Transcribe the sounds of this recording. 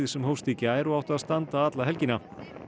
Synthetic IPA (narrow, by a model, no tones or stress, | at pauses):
ɪsɛmhowst̪icɪaːjɾʏawt̪aðst̪ant̪aat̪laɦɛlcina